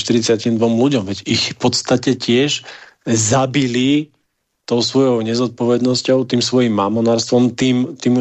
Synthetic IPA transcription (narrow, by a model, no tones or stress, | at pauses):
ʃt̪iɾit͡sɪacimd̪ʋɔmluɟɔmʋɛɟixfpɔt̪st̪acɛcɪɛʒ | zabili | t̪ɔʊsʋɔjɔʊɲɛzɔt̪̚pɔʋɛd̪nɔscɔʊt̪iːmsʋɔjimːaːmɔnaːɾst̪ʋɔmt̪iːmt̪iːm